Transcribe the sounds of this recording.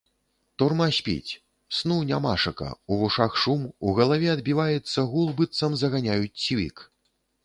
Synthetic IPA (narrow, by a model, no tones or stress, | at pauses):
t̪urmasʲpʲḭt͡sʲ | snunʲamaʂɐkɐ̰uvuʂaxʂumuɣɐlˠavʲɛɐd̪bʲivajɛt̪sːɐɣulˠbɨt̪sɐmzɐɣanʲajut͡sʲsʲvʲḭk